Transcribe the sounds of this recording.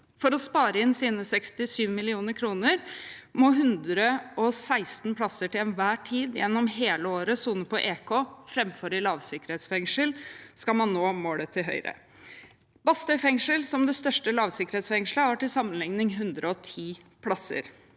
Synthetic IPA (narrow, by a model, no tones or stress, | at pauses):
fɔɾɔspɑːɾəɪnsiːnəsɛkst̪ɪsyːʋmɪlɪuːnəɾkʰɾuːnəɾmɔɦʉnd̪ɾəɔsæɪst̪n̩pʰɽɑsəʈɪlɛnʋæːʈʰiːd̪jɛnːɔmɦeːləoːɾəsuːnəpʰɔʔeːkʰoːfɾɛmfɔɾɪlɑːʋsɪkəɾheːt̪sfɛŋʂəlskɑlmɑnːoːmoːɽət̪ʰɪɦœ̰ʏɾə̰ | b̥ɑst̪əfɛŋʂəlsɔmd̪ɛst̪œʂʈəlɑːʋsɪkəɾeːt̪sfɛŋʂləhæʈɪlsɑmːənlɪŋnɪŋɦʉnd̪ɾəɔt̪ʰiːpʰɽɑsə̰ɾ